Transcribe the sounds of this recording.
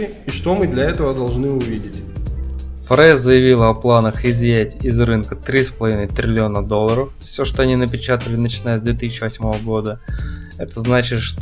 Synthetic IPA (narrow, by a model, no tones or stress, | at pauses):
ɪ | iʂt̪omɨd̪lʲɐɛt̪əvəd̪ɐlˠʐnɨʊvʲidʲɪtʲ | fɾɛzəjɪvʲilˠəɐplˠanəxɪzʲjætʲɪzrɨnkət̪ɾʲispəlˠɐvʲinəjt̪ɾʲɪlʲɪo̞nəd̪o̞lˠːəɾəffsʲo̞ʂt̪o̞ɐnʲinəpʲɪt͡ɕat̪əlʲɪnət͡ɕɪnajəzd̪vʲet̪isʲɪt͡ɕːɪvɐsʲmo̞vəɡo̞d̪əɛt̪əznat͡ɕɪt̪ʂt̪